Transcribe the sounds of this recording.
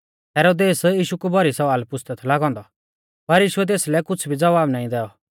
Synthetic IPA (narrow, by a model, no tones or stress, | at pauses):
ɦɛːɾoːd̪eːsjiːʃukubʱɔɾisɐʋaːlpʊst̪ət̪ʰlaɡɔ̃ːnd̪ɔ | pɐɾjiːʃʊɛt̪̬eːslɛkʊt͡sʰbʱid͡zɐʋaːbnaːĩd̪ɛːɔ